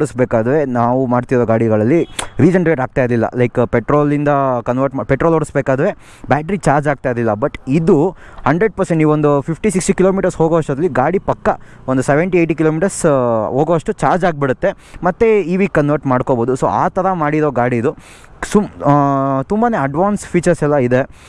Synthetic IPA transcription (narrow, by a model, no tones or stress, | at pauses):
ɽusbeːkaːd̪ɐʋenaːʋumaːɖt̪iɾoːɡaːɽiɡɐɭɐlːiɾiːd͡ʒɐnʈɾeːʈaːɡ̚t̪aːjd̪lilːɐ̰lɐjkpeʈɾoːlind̪ɐkɐnʋɐɾʈmapeʈɾoloɽusbeːkaːd̪ɐʋe̞ː | baːʈɐɾit͡ʃaːɾd͡ʒaːɡ̚t̪aːjd̪lilːɐbɐʈid̪uhɐɳɖɾeɖ̚pɐɾseɳʈiːʋond̪upʰipʈisiksʈkiloːmiːʈɐɾsɦoːɡoːɐʂʈɐd̪ɐlːiɡaːɽipɐkːɐ | ond̪useʋeɳʈieʈik̬iloːmiːʈɐɾsɦoːɡoʋɐʂʈut͡ʃaːɾd͡ʒaːɡ̚biɽut̪ːe̞ | mɐt̪ːeiːʋiːkːɐnʋɐɾʈmaːɽkoboːd̪uso̰ːaːt̪ɐɾɐmaːɽiɾoːɡaːɽiːd̪u | su | t̪umbane̞ːɐɖʋaːnsfʰiːt͡ʃɐɾsɛlːɐid̪e̞